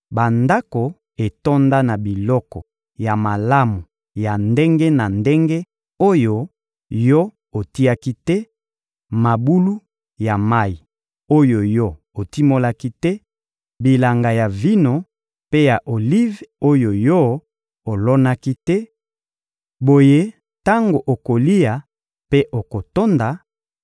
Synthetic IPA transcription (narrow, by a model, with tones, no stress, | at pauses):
ba˨nda˦ko˨ | e˨to˦nda˦na˨bi˨lɔ˦kɔ˨ | ja˨ma˨la˦mu˨ | ja˨nde˦ŋɡe˦na˨nde˦ŋɡe˦ | o˦jo˦ | jo˦ | o˨ti˦a˦ki˦tɛ˦ | ma˨bu˦lu˦ | ja˨ma˦i˨ | o˦jo˨jo˦ | o˨ti˦mo˦la˦ki˦tɛ˦ | bi˨la˨ŋɡa˨ja˨vi˦no˨ | pe˦ja˨ʔo˨li˦vo˦jo˨jɔ˦ | o˨lɔ˦na˦ki˦tɛ˦ | bo˨je˦ | ta˦ŋɡo˨ʔo˨ko˨li˦a˨ | pe˦ʔo˨ko˨to˦nda˨